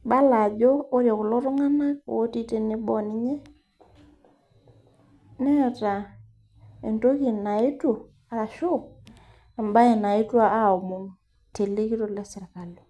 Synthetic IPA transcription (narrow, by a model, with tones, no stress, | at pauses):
ba˦la˨d͡ʒoː˦ɾja˨kʊ˨lo˦ɾʊ˦ŋa˦na˦ko̰˨o˦ti˦te˦˨nɪ˦bɔ˦˨nɪ˦ɲe˦ | nɛ˦˨ta˨ | e˨nto˦ki˨na˨ɪ˦to˨ | a˨˦a˨ʃo˦˨k | a˨mba˦e˨na˨ɪ˦twa˦a˦˨o˨mu˦n | te˨le˦ki˦to˦lɛ˦sɛ˨ɾka˨lo˨